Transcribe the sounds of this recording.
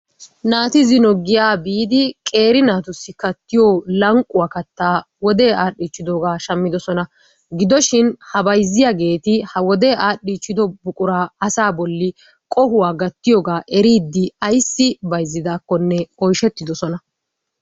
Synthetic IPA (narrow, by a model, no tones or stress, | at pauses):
naːt̪ɪzɪnɔɡːɪjaːbiːd̪ɪkʼe̞ːɾɪnaːt̪ʊsːɪkɐt̪ːɪjoːlɐŋkʼːʊwaːkɐt̪ːaː | wɔd̪eːaːɗːiːt͡ʃːɪd̪oːɡaːʃɐmːɪd̪ɔsɔnɐ | ɡɪd̪ɔʃɪnhɐbɐjzːɪjaɡe̞ːt̪ɪhɐwɔd̪e̞ːʔaːɗiːt͡ʃːɪd̪ɔbʊkʼʊɾaːɐsaːbɔlːɪ | kʼɔhʊwaːɡɐt̪ːɪjɔːɡaːʔɛɾiːd̪ːɪɐjsːɪbɐjzːɪd̪aːkːɔnːɛʔɔjʃɛt̪ːɪd̪ɔsɔnɐ